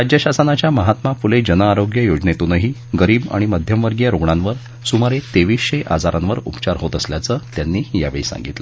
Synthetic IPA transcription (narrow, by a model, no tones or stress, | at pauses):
ɾad͡ʑjəɕasənat͡ɕjaməɦat̪mafuled͡ʑənəaɾoɡjəjod͡znet̪unəɦiːɡəɾiːba̰ɽ̃iməd̪ʱjəmʋəɾɡjəɾoɡɳanʋəɾ | sumaɾet̪eʋiːsɕeʔa̰d͡zaɾãnʋəɾṵpt͡ɕaɾɦot̪əsljat͡səːt̪janːiːhija̰ʋḛɭsã̰ŋɡit̪lə